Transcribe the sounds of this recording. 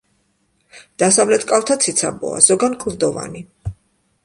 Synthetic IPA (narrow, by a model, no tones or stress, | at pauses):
d̪̥asavlɛt̪ʰkʼalt̪ʰat̪sʰit̪sʰabɔ̰a̰z̥ɔɡankʰʼuɾd̪ɔva̰ni